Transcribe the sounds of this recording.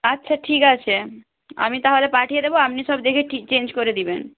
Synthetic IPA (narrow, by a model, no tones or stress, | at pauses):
ətːʃʰaʈʰikat͡ʃʰe | a̰mit̪aɦaɾepaʈʰijed̪eboamnisɔbd̪ekʰeʈʰikt͡ʃend͡ʒkoɾed̪iben